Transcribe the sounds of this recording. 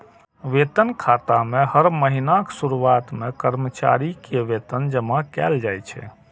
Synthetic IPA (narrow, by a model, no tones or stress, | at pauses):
ʋet̪ənkʰat̪amehəɾməɦinaksuɾuat̪mekəɾmət͡ʃa̰ɾikeʋet̪ənd͡ʒəmakɛ̰ld͡ʒajt͡ʃʰɛ̰